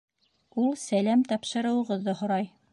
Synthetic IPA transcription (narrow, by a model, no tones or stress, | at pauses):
ulˠsælæmt̪ɑpʃɤ̆ɾɤ̆wɤ̆ʁɤ̆ðːɤhŏɾɑj